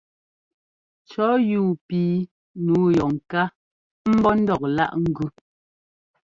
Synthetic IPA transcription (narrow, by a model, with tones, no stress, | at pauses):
t͡ʃɔ˨˦juː˦˨piː˨˦ | nuː˨˦jɔ˨ŋ˨ka˦ | m̩˦bɔ˦n̩˦dɔ˨k̚la̰˦ʔŋ̩˦ɡʉ˦